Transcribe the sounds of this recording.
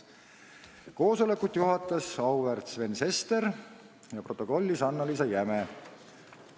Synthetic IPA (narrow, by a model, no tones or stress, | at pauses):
ko̞ːso̞le̞kːˑut̪ˑjuɦɑt̪ːˑɑsɑwvert̪sve̞nse̞st̪e̞ɾ | jɑpro̞t̪ːˑo̞ko̞lʲːisɑnːɑlis̬ɑjæme